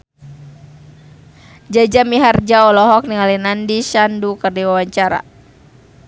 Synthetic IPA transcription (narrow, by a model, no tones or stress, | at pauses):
d͡ʒad͡ʒamiɦard͡ʒaɔlɔɦɔk̚niŋalinandiʃandukərdiwawaɲt͡ʃaɾa̰